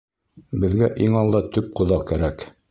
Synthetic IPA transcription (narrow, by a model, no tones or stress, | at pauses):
bɘ̆ðɡæʔiŋɑlˠd̪ɑt̪ɵp̚qŏðɑkæɾæk